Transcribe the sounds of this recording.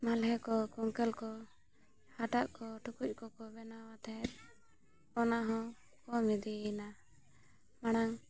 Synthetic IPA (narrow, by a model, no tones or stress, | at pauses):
malɦɛkɔkuŋkɛlkɔ | haʈaʔkɔʈukuc̚ˀkɔkɔbɛnawat̪ɛɛt̪ | ɔnaɦɔ̃ | kɔmɛd̪ina | maɽaŋ